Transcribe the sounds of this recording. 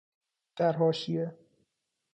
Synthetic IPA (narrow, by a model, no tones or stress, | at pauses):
d̪̥æɾɦɒːʃie